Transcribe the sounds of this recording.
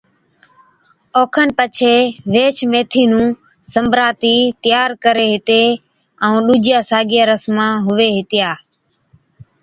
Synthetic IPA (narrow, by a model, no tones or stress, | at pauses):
oːkʰənpət͡ʃʰeːʋeːt͡ʃʰmeːt̪ʰiːnũː | səmbɾaːt̪iːt̪ɪjaːɾkəɾeːɦɪt̪eː | əũːɗuːd͡ʒjaːsaːɡɪjaːɾəsmãːɦʊʋeːɦɪt̪ɪjaː